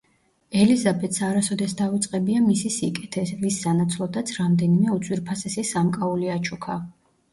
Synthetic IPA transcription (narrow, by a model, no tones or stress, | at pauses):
ɛlizabɛt̪ʰsaɾasɔd̪ɛsd̪avit̪sʼqʼɛbiamisisikʼɛt̪ʰɛvisːanat̪sʰlˠɔd̪at̪sʰɾamd̪ɛnimɛut̪sʼwiɾpʰasɛsisamkʼauliat͡ʃʰukʰa